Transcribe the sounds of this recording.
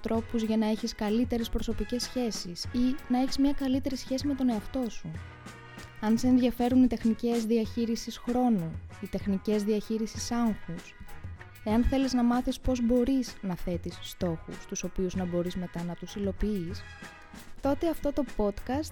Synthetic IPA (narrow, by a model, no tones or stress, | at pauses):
t̪ɾo̞puzʝɐnɐe̞çiskɐlit̪e̞ɾe̞spɾo̞so̞pice̞sçe̞sisinɐe̞çizmɲɐkɐlit̪e̞ɾisçe̞sime̞t̪o̞ne̞ɐft̪o̞su | ɐnseːnðʝɐfe̞ɾunit̪e̞xnice̞zðiɐçiɾisisxɾo̞nuit̪e̞xnice̞zðiɐçiɾisisɐŋxus | e̞ɐnθe̞liznɐmɐθispo̞zbo̞ɾiznɐθe̞t̪isːt̪o̞xṵst̪uso̞piuznɐbo̞ɾizme̞t̪ɐnɐt̪usilo̞pis | t̪o̞t̪e̞ɐft̪o̞t̪o̞po̞t̪kɐst̪